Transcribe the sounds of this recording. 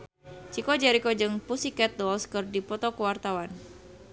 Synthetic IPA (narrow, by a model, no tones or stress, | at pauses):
t͡ʃikod͡ʒɛɾikod͡ʒɨŋpusikɛt̪̚dɔlskɨrdipɔt̪ɔkəwart̪awan